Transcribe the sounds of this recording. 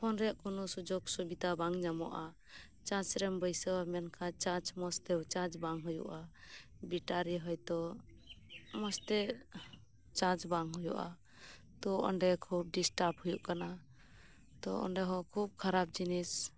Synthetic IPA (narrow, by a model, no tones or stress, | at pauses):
pʰɔnɾɛʔkɔnɔsud͡ʒɔɡsubit̪abaŋɲamɔ̰ʔa | t͡ʃãt͡ʃɾɛmbəjsɛwamɛnkʰãt͡ʃãt͡ʃmɔst̪ɛwt͡ʃãt͡ʃbaŋɦujṵʔabiʈaɾiɦɔjt̪ɔ | mɔst̪ɛ | t͡ʃãt͡ʃbaŋɦujṵʔa̰ | t̪ɔʔɔ̰ɳɖɛkʰub̚ɖisʈaphujuʔkana | t̪ɔ̰ɔ̰ɳɖɛɦɔ̃kʰub̚kʰaɾab̚d͡ʒinis